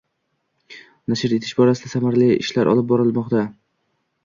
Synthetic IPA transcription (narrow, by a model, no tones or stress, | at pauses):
naʃɪɾje̞t̪ʰɪʃbɒɾasɪd̪asamaɾliɪ̰ʃlaɾʔɒ̰lˠɪp̚bɒɾɪlˠmɒqt̪a